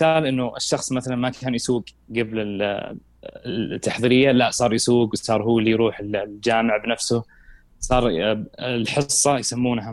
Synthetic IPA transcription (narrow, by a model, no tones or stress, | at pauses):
ɪθaːlʔɪnːʊɪ̰ʃːɑxsˤmaθalanmakʰaːnjsuːɡ | ɡablɪl | t̪ːaħðˤiːɾɪjːalaʔsˤɑːɾˤjɪsuːɡwsˤɑːɾˤhuːlːijɾuːħɪlld͡ʒaːmɪʕbnafsʊ | sˤɑːɾˤ | lħɨsˤːɑjsamːuːnha